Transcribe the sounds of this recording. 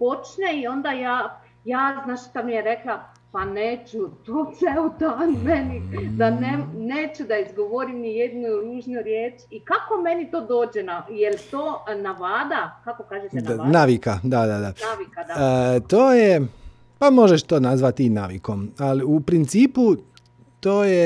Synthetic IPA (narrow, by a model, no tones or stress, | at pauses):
po̞t͡ʃneio̞nd̪ajaː | jaːznaːʃt̪amijeɾekla | paneːt͡ʃut̪oːseut̪onmenid̪aneneːt͡ʃud̪aizɡo̞ʋoɾimnijed̪nuɾuːʒnuɾjeːt͡ʃikako̞me̞nit̪o̞ːd̪o̞ːd͡ʑenajelt̪oːnaʋaːd̪akakokaːʒet̪ed̪nnaːʋikad̪ad̪ad̪anaːʋikad̪at̪oːje | pamo̞ʒeʃt̪oːnazʋat̪inaːʋḭko̞maliupɾint̪siːpu | t̪oːje